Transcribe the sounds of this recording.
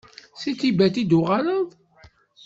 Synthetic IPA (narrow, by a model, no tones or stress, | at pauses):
sit͡sːibæt̪id̪uʁaləðˤ